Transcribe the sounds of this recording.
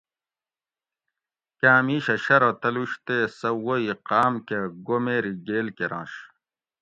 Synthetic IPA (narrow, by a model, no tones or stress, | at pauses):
kãːmiːɕɐɕɐɾot̪ɐluɕt̪esɐwoiqaːmkeɡomeːɾiɡeːlkeɾã̰ːɕ